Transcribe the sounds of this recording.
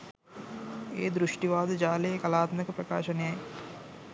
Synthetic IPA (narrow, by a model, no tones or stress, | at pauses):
eːd̪ɾuʂʈiʋaːd̪ɐd͡ʒaːleːkɐlaːt̪mɐkɐpɾɐka̰ːʃɐnejɐj